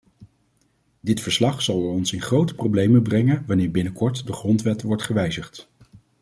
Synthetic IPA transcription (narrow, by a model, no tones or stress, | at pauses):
dɪtfəɹslɑχsɑlˠɔnsɪnχrowtə̥prowblejməbrɛŋənʋɑnɪːɹbɪnəkɔɹtdəχrɔntʋɛtʋɔɹtχəʋɛjzəχt